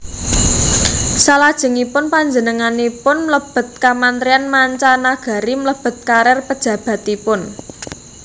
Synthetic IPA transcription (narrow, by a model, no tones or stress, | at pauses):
salad̥ʒ̥ə̤ŋipʊnpaɲd͡ʒənəŋanipʊnmləb̥ə̤t̪̚kamant̪ɾijanmaɲt͡ʃanaɡ̥a̤ɾimələb̥ə̤t̪̚kaɾɛrpəd̥ʒ̥ä̤b̥ä̤t̪ipʊn